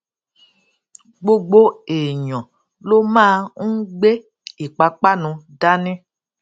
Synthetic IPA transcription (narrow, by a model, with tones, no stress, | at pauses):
ɡ͡bo˦ɡ͡bo˦e˨ɲɔ̃˨ | lo˦mã˦ŋ̩˦ɡ͡be˦ | i˨k͡pa˨k͡pa˦nũ˧da˦nɛ̃˦